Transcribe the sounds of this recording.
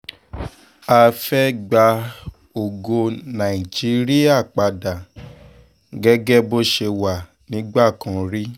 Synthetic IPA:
a˧fɛ˦ɡ͡ba˧ | o˨ɡo˧nã˨i˨d͡ʒi˨˦ɾi˦a˦˨k͡pa˨da˨ | ɡɛ˦ɡɛ˦bo˦ʃe˧wa˨ | nĩ˨˦ɡ͡ba˦˨kã˨˦ɾi˦

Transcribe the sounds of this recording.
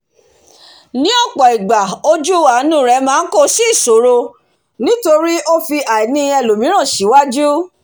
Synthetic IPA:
nĩ˨˦ɔ˦˨k͡pɔ˨i˨ɡ͡ba˨o˧d͡ʒu˦wa˨˦nũ˦˨ɾɛ˨˧˦mãː˦n̩˦ko˦ʃi˦˨so˨˦ɾo˧ | nĩ˦to˧ɾi˦o˦fi˧a˨i˨nĩ˧ɛ˧lo˨mĩ˨˦ɾ̃ã˦˨ʃi˨˦wa˦d͡ʒu˦

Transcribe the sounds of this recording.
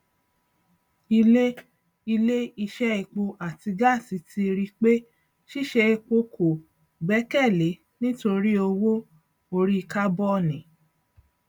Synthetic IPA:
i˧le˦ | i˧le˦i˧ʃɛ˦i˧k͡po˧ʔa˨ti˧ɡa˦˨si˨˦tʰi˧ɾi˧k͡pe˦ | ʃi˦˨ʃɛ˧i˧k͡po˧kʰo˨ | ɡ͡bɛ˨˦kɛ˦˨le˨˦ | nĩ˦to˧ɾi˦o˧wo˦ | o˧ɾi˦˧ka˦bɔ˦˨nĩ˨

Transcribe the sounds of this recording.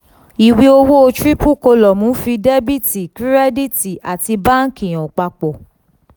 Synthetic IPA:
i˨wi˧˦o˧wo˦o˧tɾi˦pu˦˨ko˧lɔ˨mũ˨˦fi˧dɛ˦bi˦ti˨ki˦ɾɛ˦di˦ti˨a̰˨ti˧ba˦n̩˦kĩ˨j̃ɔ̃˨k͡pa˧k͡pɔ˨

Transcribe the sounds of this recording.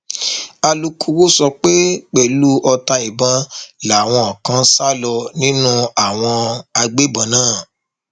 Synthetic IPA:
a˧lu˧kʰu˧wo˦sɔ˧k͡pe˦k͡pɛ˨lu˦ʔɔ˧ta˧i˨bã˧la˨w̃ɔ̃˧ɔ˨kã˦sa˦lɔ˧nĩ˦nũ˦a˦˨w̃ɔ̃˧a˧ɡ͡be˦bã˨˦nãː˦˨

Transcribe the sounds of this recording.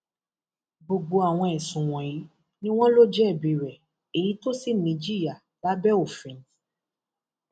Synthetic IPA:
bo˨ɡ͡bo˧a˨w̃ɔ̃˧ɛ˨sũ˨w̃ɔ̃˨i˨˦ | nĩ˦w̃ɔ̃˦lo˦d͡ʒɛ˦ɛ˦˨bĩ˨ɾɛ˨ | e˨ji˨˦to˦si˦˨nĩ˨˦d͡ʒi˦i˦a˨ | la˨˦bɛ˦o˨fĩ˨˦n˨t

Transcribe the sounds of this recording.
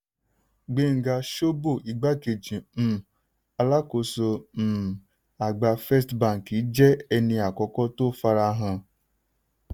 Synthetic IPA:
ɡ͡be˦˨ŋ̩˨ɡa˧ʃo˦bo˦˨i˧˦ɡ͡ba˦ke˨d͡ʒĩ˨m̩˨ | a˧la˦ko˧so˧˨ | a˨ɡ͡ba˧fɛ˦stbã˦˨ŋ˨ki˨˦d͡ʒɛ˦ɛ˧nĩ˧a˨kɔ˧kɔ˦to˦fa˧ɾa˧˦ɦã˧

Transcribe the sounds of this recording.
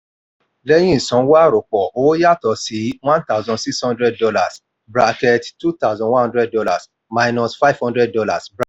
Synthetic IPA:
le˦j̃ĩ˦˨sɔ̃˨˦wa˦ɾo˨k͡pɔ˨o˦wo˦ja˦tɔ˨si˨˦wã˦nta˦ʊ˨zɔ̃˧˨si˦kshɔ̃˦ndɾɛ˦d̚dɔ˧la˨s | bɾa˧kɛ˧ttu˦ta˦ʊ˨zɔ̃˨nw̃ã˦hɔ̃˦dɾɛ˦ddɔ˦˧la̰˨s | ma˧jnɔ̃˧sfa˦ivhɔ̃˦ndɾɛ˦d̚dɔ˧la˨sb

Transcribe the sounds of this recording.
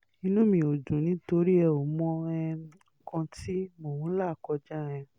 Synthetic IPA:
ĩ˧nũ˦mĩ˧˨o˨d͡ʒũ˨nĩ˨˦to˧˦ɾi˦ɛ˧˨o˨mɔ̃˧ɛ˧˦˨kɔ̃˧ti˦mo˨wũ˦la˦˨kɔ˧d͡ʒa˦ɾɛ̃˧

